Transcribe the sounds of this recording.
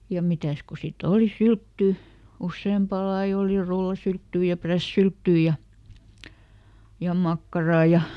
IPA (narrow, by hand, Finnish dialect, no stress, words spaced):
jɑ mitæˑs ko sit oli syltːyˑ usːeˑmpɑˑ lɑi oli rulːɑsyltːyː jɑ præsːyltːyː jɑ jɑ mɑkːɑrɑː jɑ